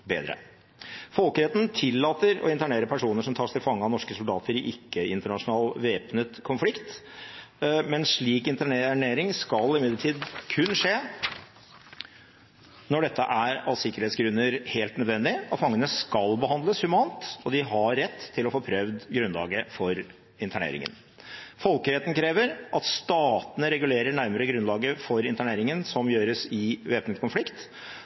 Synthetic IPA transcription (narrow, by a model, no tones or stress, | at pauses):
bḛːd̪ɾə̰ | fɔlkəɾɛːt̪n̩t̪ʰɪlːɑːt̪əɾɔ̰ɪnk̪ɑɳeːɾəpʰæʂuːnəʂɔmt̪ʰɑːʂt̪ɪlfɑŋːəɑnɔʂkəsʊld̪ɑːt̪əɾɪʔɪkːəɪnt̪əɳɑʂʊnɑːlʋeːpnət̪kʰʊnflɪkt̪ | mɛnʂɭiːkɪnt̪æɳeɳeːɾɪŋskɑlɪmɪd̪ləʈʰiːd̪kʰʉnːʂeː | nɔɖɛt̪ːəʔæɾɑlsɪkːəɾheːt̪sɡɾʉnːəɾheːlt̪nœd̪ʋɛnd̪ɪɔt̪fɑŋːənəskɑlbəɦɑnd̪ləshʉmɑːnt̪ɔd̪ɪɦɑɾːɛt̪ʰːɪlɔfoːpʰɾœʋd̪ɡɾʉnlɑ̰ːɡəfɔɾ | ɪnt̪ʰæɳḛːɾɪ̰ŋə̰n | fɔlkəɾeːt̪n̩kʰɾeːʋəɾʔɑt̪st̪ɑːt̪ənəɾɛɡʉleːɾəɳæɾməɾəɡɾʉnlɑːɡəfɔɾɪnt̪æɳeːɾɪŋənsɔmjøːɾəsɪʋeːpənt̪kʊnflɪkt̪